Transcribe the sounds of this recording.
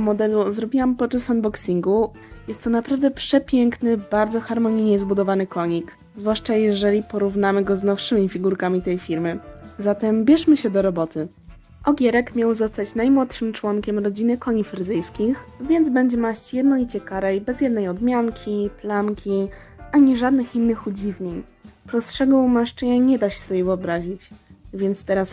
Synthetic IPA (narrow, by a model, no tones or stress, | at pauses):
mɔd̪ɛluzɾɔbʲiwampɔt͡ʂasanbɔksʲiŋɡu | jɛst̪t̪ːɔnapɾavd̪ɛpʂɛpʲjɛŋknɘbaɾd̪zɔxaɾmɔɲijɲɛzbud̪ɔvanɘkɔɲik | zvwaʂt͡ʂajɛʐɛlʲipɔɾuvnamɘɡɔznɔfʂɘmʲifʲiɡuɾkamʲit̪ɛjfʲiɾmɘzat̪ɛmbʲjɛʂmɘɕɛd̪ɔɾɔbɔt̪ɘ | ʔɔɡʲjɛɾɛkmʲjawzɔst̪at͡ɕnajmwɔt̪ʂɘmt͡ʂwɔŋkʲɛmɾɔd͡ʑinɘkɔɲifɾɘd̪ɘjskʲixvʲjɛnd̪zbɛɲd͡ʑɛmaɕt͡ɕjɛd̪nɔlʲit͡ɕɛkaɾɛjbɛzʲjɛd̪nɛjɔd̪mʲjaŋkʲʰiplamkʲʰi | aɲɛʐad̪nɘxinːɘxud͡ʑivɲeɲ | pɾɔstʂɛɡɔumaʂt͡ʂɘɲaɲɛd̪aɕɛ̥sɔbʲjɛvɘɔbɾaʑit͡ɕvʲjɛnt̪st̪ɛɾas